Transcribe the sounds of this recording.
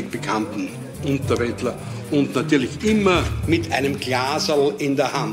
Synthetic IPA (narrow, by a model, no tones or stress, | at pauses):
ɪkb̥ekʰãntn̩ | ʔʊ̃ntɐbɛtlɐ | ʊntnatyːɐlɪçʔɪmɐmɪtʰæɪnəmɡlaːzəl̩ɪndeːɐhãn